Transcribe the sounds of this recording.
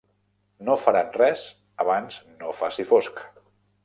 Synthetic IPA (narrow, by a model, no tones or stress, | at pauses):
nofəɾanrɛz | əβanz̥nofasifosk